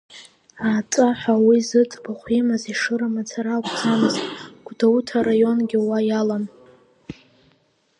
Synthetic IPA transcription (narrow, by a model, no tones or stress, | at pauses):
aːt͡sʼaħʷᶣawizɨt͡sʼbaχʷimɨziʂɨɾamat͡sʰaɾakʷʼd͡zamɨztʼɡ̥ʷdawutʰaɾajo̞nɡʲiwajalam